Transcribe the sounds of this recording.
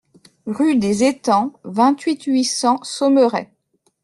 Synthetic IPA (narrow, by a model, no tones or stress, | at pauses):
ʁyd̪ezet̪ɑ̃vɛ̃t̪ɥit̪ɥisɑ̃sɔməʁɛ̰